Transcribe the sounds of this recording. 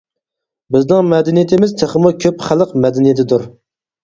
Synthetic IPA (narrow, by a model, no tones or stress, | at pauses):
bɪznɪŋmɛd̪ɛnijit̪ʰɪmɪzt̪ʰeχmukʲʰøpχælˠəqmɛd̪ɪnijit̪ʰɪd̪uɾ